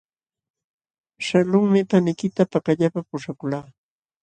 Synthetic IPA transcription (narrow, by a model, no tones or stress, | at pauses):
ʃalʊŋmɪpanɪkɪt̪apakaʎapapʊʂakʊlaː